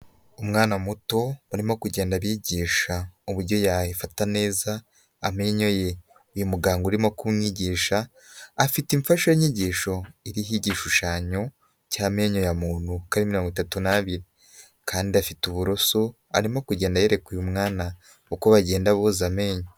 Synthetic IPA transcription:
umŋaːnamuto̞uɾimo̞kuɟe̞ːndaβiɟiːʃauβuɾɟo̞jaifatane̞ːzaː | me̞ɲo̞je̞ | ujumuɡaːŋɡuɾimo̞kumŋiːɟiːʃaː | fitiɱfaʃoɲiɟiːʃo̞iɾiɦiɟiʃuʃaːɲo̞ | caːme̞ːɲojamuːn̥hukaɾimiɾo̞ːŋɡitatunaβiɾi | kʰaːndiafituβuɾoso | a̰ɾimo̞kuɟe̞ːndajeɾe̞kujumŋaːna | ukoβaɟe̞ːndaβozame̞ːɲo

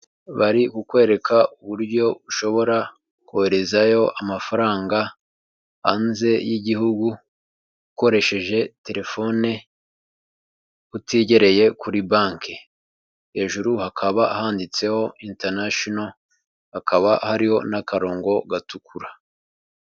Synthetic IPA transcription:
βaɾikukwe̞ːɾe̞kʰauβuɾɟo̞βuʃo̞βo̞ɾa | kuheɾe̞zajo̞ʔamafaɾaːŋɡa | ha̰nze̞jiɟihuɡu | uko̞ɾe̞ʃe̞ʒe̞te̞ɾe̞fo̞ne | utiːɟe̞ɾe̞je̞kuɾibaːŋke | he̞ːʒuɾuhakʰaβahaːndit͡se̞ho̞iːnteɾnaʃono | hakʰaβahaɾiho̞nakaɾo̞ːŋɡo̞ɡatukʰuɾa

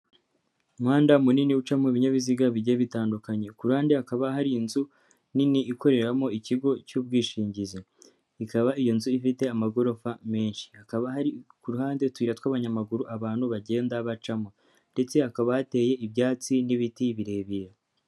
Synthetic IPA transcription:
umhaːndamuniniut͡ʃamoiβiɲaβiziɡaβiɟeβitaːndukaɲe̞kuɾuhaːndeakaβaɦaɾiːnzu | niniʔːko̞ɾe̞ɾamo̞iciɡo̞cuːb̚ɡiːʃiːɲɟize | ikaβaijo̞nzuifite̞amaɡo̞ɾo̞fame̞ːnʃi̥akaβahaɾikuɾuɦaːndetwiːɾatwaːβaɲamaɡuɾuʔaβaːn̥huβaɟe̞ːndaβat͡ʃamo | nde̞t͡se̞akaβajate̞ːje̞ibjaːt͡siniβitiβiɾe̞ːβija

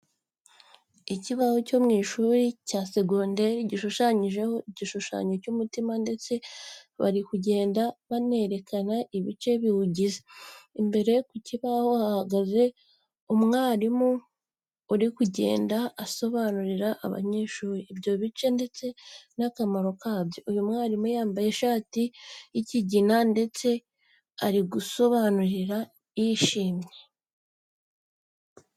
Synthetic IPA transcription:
iciβahoco̞mŋiːʃuːɾicaːseɡoːnde̞ɾiɟiʃuʃaɲiʒe̞ho̞iɟiʃuʃa̰ːɲocumutimande̞t͡se̞βa̰ɾikuɟe̞ːndaβane̞ɾe̞kʰanaʔiβit͡ʃe̞βihuɟizeimbe̞ɾe̞kuciβaho̞hahaɡaze̞ | umŋaːɾimuː | ɾikuɟe̞̰ːndaːso̞βaːnuɾiɾaʔːβa̰ɲe̞ːʃuːɾiibjo̞βit͡ʃe̞nde̞t͡se̞nakamaɾo̞kaːbjo̞ijumŋaːɾimujaːmbaje̞ʃaːtijiciɟinande̞t͡se̞ | aɾiɡuso̞βanuɾiɾa | iːʃiːmɲe̞

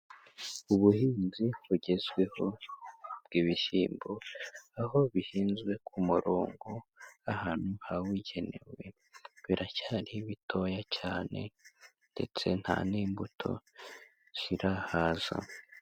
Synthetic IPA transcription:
uβuhiːnziβuɟe̞zɡwe̞ho̞ | b̥̚ɡ̥iːβiʃiːmboaho̞βihiːnzɡwe̞kʰumuɾoːŋɡoahaːn̥huhawiɟe̞ne̞̰we̞ | βiɾacaːɾiβitʰo̞ːjacaːne̞̰ | nde̞̰t͡se̞n̥ha̰niːmbutʰo̞̰ | siɾahaz̥a̰

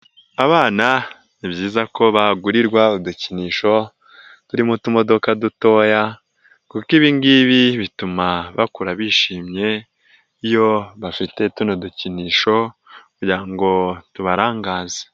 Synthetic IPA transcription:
aβaːna | nibɟiːzako̞βaɡuɾiɾɡwauduciniːʃo̞ | tuɾimutumo̞do̞kaduto̞ja | kukiβiŋɡiβiβitumaβakuɾaβiʃiːmɲe̞ | ijo̞βafite̞tunoduciniːʃo̞kuɾɟiɾaŋɡo̞tuβaɾaːŋɡaːze̥

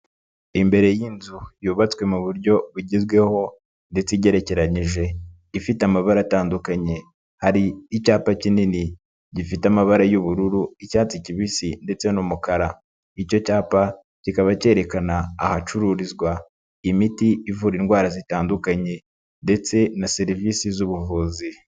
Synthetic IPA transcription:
imbe̞ɾe̞jiːnzujuːβat͡swe̞muβuɾɟo̞βuɟizɡwe̞ho̞ | nde̞t͡seɟe̞ɾe̞ce̞ɾaɲiʒe̞ | ifitamaβaɾataːndukaɲe̞ | haɾiːcaːpacinini | ɟifitamaβaɾajuβuɾuɾuicaːt͡siciβisinde̞t͡se̞numukaɾa | ico̞caːpa | cikaβace̞ːɾe̞kanaːhat͡ʃuɾuːɾizɡwa | imitiːvuɾinɡwaːɾazitaːndukaɲe̞ | nde̞t͡se̞nase̞ɾivisizuβuvuːzi

